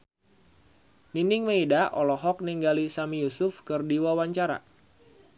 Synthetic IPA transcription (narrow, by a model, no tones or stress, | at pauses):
ninɪŋməidaʔɔlɔɦɔk̚niŋɡalisamijusʊfkɨrdiwawaɲt͡ʃaɾa̰